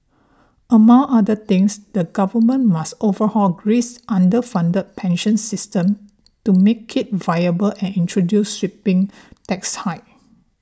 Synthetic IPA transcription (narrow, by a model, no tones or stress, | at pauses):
ʔəmãŋadət̪ɪ̃ŋsd̥əɡavəmə̃nmastovəhɔlɡɹisʔãndəfãndət̚pʰɛ̃nʃə̃nsɪstə̃m | tumekʰːit̚vajəbəlʔɛ̃nĩntɹodjusːɹipɪ̃ŋ | tɛkshaɪ